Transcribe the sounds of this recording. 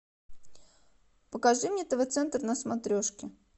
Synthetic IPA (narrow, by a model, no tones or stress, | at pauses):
pəkɐʐɨmʲɲʲet̪əvət̪sɛnt̪rnəsmɐt̪ɾʲoʂkʲɪ